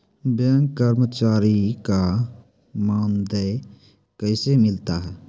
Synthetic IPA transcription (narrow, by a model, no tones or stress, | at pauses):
bɛŋkkːəɾmət͡ʃaːɾika | mãːnd̪ə | kəɪsemɪlt̪aɦɛː